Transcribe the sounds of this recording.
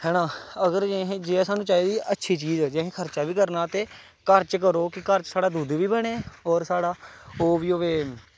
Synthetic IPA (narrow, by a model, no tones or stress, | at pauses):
hɛːnãːəɡəɾd͡ʒeɦẽːd͡ʒeːɛ̃ːsaːnũːt͡ʃaːeːd̪iːʔətːʃʰiːt͡ʃiːzɛːd͡ʒeɦẽːkʰəɾt͡ʃaːʋiːkəɾnaːt̪eː | kəɾt͡ʃkəɾoːkɪkəɾt͡ʃsaːɽaːd̪uːd̪ʋiːbəɽ̃eːɔːɾsaːɽaːoːʋiːoːʋeː